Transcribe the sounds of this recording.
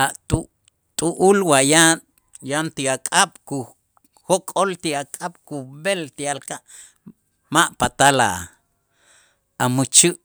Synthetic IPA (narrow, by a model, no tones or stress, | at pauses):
aʔt̪u | t̪ʼuʔulwaja | jant̪iakʼaɓ̥ku | hokʼolt̪iakʼaɓ̥kubelt̪ialkaʔ | maʔpat̪ala̰ | amut͡ʃiʔ